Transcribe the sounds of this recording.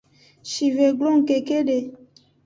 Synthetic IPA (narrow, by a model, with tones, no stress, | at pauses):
ʃi˨ve˨ɡlo˦ŋ̩˨ke˨ke˦ɖe˨